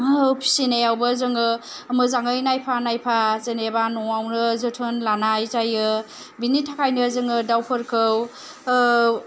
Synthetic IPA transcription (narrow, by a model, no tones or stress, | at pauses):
pʰi̥sinejawbɯzɯŋɯː | mɯzaŋɯjnajpʰanajpʰazenebanɔawnɯzɯtʰɯnlanajzajɯ | binitʰakʰajnɯzɯŋɯdawpʰɯɾkʰɯw